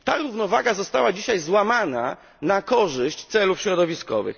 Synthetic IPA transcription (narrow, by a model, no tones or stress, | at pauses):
t̪aɾuvnɔvaɡazɔst̪awad͡ʑiɕajzwamana̰ | nakɔʐɘɕt͡ɕt̪sɛlufɕɾɔd̪ɔvʲiskɔ̰vɘ̰x